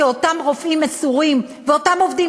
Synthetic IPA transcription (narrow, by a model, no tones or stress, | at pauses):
eotamʁo̞fimasuʁim | veo̞tamo̞vd̪i